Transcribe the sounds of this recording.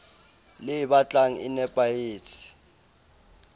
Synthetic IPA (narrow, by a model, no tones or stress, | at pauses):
lɪjiɓat͡ɬʼaŋ̩ḭnɛpʼajeːtʰi̥